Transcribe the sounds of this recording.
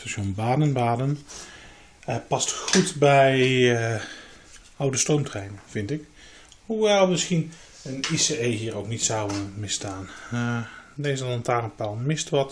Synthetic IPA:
staʃɔnbaːdənbaːdən | pɑstxutbɛj | ʔʌwdəstrowmtrɛjnəv̥ɪntɪk | huʋɛlˠmɪsxin | əniseejɦiːrowknitsɑwəmɪstaːn | dejzəlɑntaːrənpalˠmɪstʋɑt

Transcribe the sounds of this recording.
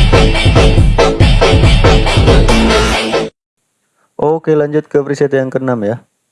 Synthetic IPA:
ʔokelaɲd͡ʒʊt̪̚kəpɾiset̪jaŋkənamja

